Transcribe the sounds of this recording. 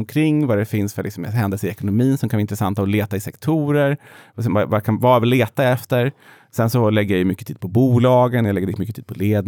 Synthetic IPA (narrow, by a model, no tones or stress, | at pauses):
mkʰɾɪŋːvadɛfɪnsfœɭʔɪksɔmɦɛnd̪ɛlsəɾɪɛkʊnʊmiːnsɔmkanaɪnt̪ɾɛsant̪ːaɔleːt̪aɪsɛkt̪ʰuːɾəɾvsɛvavakʰavavɪlːeːt̪aɛft̪əɾ | sɛnsɔlɛɡːəjajɵmʏkːət̪ʰiːd̪̚pʰɔbuːlɑːɡənjalɛɡːəɾɛmʏkːət̪iːd̪̥pʰɔleːd̪